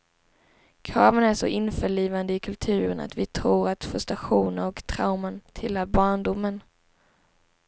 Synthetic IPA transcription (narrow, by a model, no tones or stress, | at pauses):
kʰɾɑːvənæʂɔ̰ʔɪnfœɭiːvand̪əɪkʰɵlt̪ʰʉ̟ːɾəna̰t̪vɪt̪ʰɾuːɾat̪fɵst̪ɾaɧuːnənɔkt̪ʰɾawmənt̪ʰɪlhaɾbɑːɳɖʊmːən